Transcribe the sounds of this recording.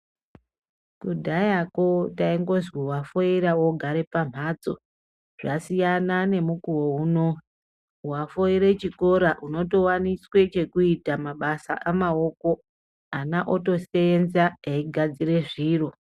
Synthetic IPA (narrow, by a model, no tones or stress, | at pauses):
kudʱajakotaiŋɡo̞zwiuwafo̞iɾawoɡʱaɾepam̤at͡so̞̰ | ʐ̥asijanane̞mukuwo̞uno̞ | uwafo̞iɾe̞t͡ʃiko̞ɾaʔuno̞to̞waniswe̞t͡ʃe̞kuitamaɓasa̰ʔamao̞ko̞ | anaʔoto̞seenzaeiɡʱad͡zire̞ʐiːro̞